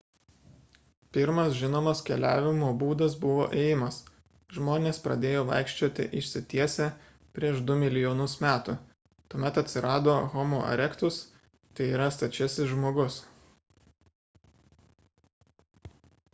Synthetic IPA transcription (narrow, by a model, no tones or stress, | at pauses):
pʲɪɾmɐsʒʲɪnoːmɐskʲɛlʲæːʋʲɪmoːbuːd̪ɐsbʊʋo̰ːʔeːjɪmɐs | ʒmoːnʲeːspɾɐ̰d̪ʲeːjoːʋɐ̰ɪkʃʲt͡ʃʲoːt̪ʲɪ̰ʔɪʃʲsʲɪt̪ʲiɛsʲɛ | pʲɾʲiɛʃd̪ʊmʲɪlʲɪjoːnʊsmʲæːt̪ʊ | t̪uɔmʲɛt̪ɐt̪ʲsʲɪɾɑːd̪oːɣɔmoːʔɐ̰ɾʲɛkt̪ʊs | t̪ɐɪiːɾɐst̪ɐt͡ʃʲɛsʲɪʒmoːɡʊs